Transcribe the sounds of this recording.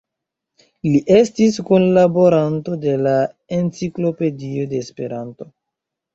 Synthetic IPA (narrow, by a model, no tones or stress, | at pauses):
liʔe̞stiskonlabo̞ɾanto̞de̞la | e̞nt͡siklo̞pe̞dio̞de̞ːspe̞ɾanto̞